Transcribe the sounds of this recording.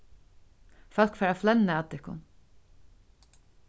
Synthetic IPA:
fœl̥kfɛːɾaflɛnːaat̪ɪhkʊ̰n

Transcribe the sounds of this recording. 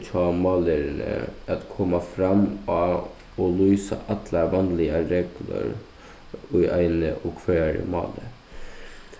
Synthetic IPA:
t̪ʰɑːmɑːləɾnə̰ɑt̪kʰɔmːɑfɾɑmɑ | ɔlyːsɑ̰ʔɑt̪ʰlɑʋɑnlɪɑɾɛɡlə̰ɾ | yʔæɪnə̰ʔɔkʰʋæːɾə̰mɑ̰ːlə

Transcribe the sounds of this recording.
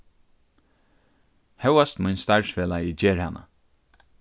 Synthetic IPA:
hɛwast̪mʊjnst̪aɹsvɛːlajɪd͡ʒeːɹhana̰

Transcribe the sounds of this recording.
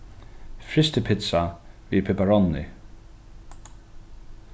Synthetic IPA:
fɾɪst̪ɪpʰɪt̪savḭːpʰɛpaɹɔnːɪ̰

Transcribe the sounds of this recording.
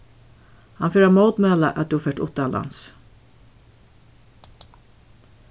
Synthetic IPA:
hɑnfyːɾɑmoːd̪meɑlə̰ʔɑt̪̚d̪ʉːhɑːfœːʈʊ̰t̪ɑɑlʔɑ̰ns

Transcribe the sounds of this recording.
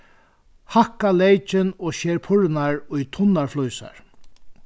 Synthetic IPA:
hakalejt͡ʃɪnɔːʃeːɾpʰʊɹnaɹʊjt̪ʰʊnːaɹflujsa̰ɹ

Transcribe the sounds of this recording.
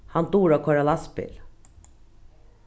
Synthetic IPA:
hɑnt̪uːɾɔːkʰɔɹɑlɑspɪ̰l

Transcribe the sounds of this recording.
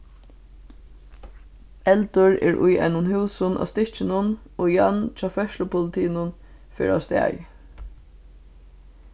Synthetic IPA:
ɛlt̪əɹɛ̰ːɹʔʊ̰jʔɛ̰ɪnʊnhʉːsʊnʔɑ̰ːst̪ɪht͡ʃɪnʊn | oːjɑnt͡ʃʰɑːfœʃlʊpʰʊlɪt̪ʰiːnʊn | fḛɹa̰st̪ɛ̰ːj

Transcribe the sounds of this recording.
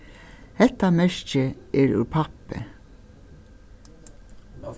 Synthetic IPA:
hɛt̪ɑmɛʃt͡ʃəʔeːɹʉ̰pʰɑpə̰

